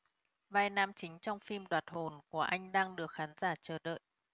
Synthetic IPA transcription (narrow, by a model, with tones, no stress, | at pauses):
vaː˧˩jnaː˧mt͡ɕï˨˦ŋ̟t͡ɕɔ˧wŋ͡mfi˧mɗwaː˨˩t̚ho˨˩nku˧˩əʔa˧jŋ̟ɗaː˧ŋɗɨ˨˩ək̚xaː˨˦nzaː˧˩t͡ɕəː˧˩ɗə̰ː˧˨jʔ